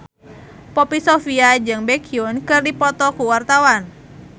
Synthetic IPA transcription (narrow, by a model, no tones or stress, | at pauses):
pɔpisɔfiad͡ʒɨŋbɛkʰiunkɨrdipɔt̪ɔkuwart̪awan